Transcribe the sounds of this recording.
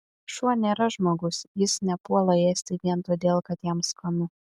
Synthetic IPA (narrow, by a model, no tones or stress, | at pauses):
ʃuɔnʲeːɾɐʒmoːɡʊsjɪsnʲɛpuɔlˠɐeːsʲt̪ʲɪʋʲiɛnt̪oːd̪ʲeːlˠkɐt̪jɛmskɐnʊ